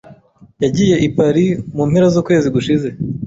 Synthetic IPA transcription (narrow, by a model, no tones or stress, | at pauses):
jaɟije̞ʔipaɾimuːnhe̞ɾazuːkwe̞ːziɡuʃize̞